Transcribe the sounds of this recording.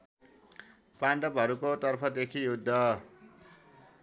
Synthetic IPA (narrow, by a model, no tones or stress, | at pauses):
paɳɖʌpɦʌɾukot̪ʌrpʰʌd̪ekʰijud̪ʱːʌ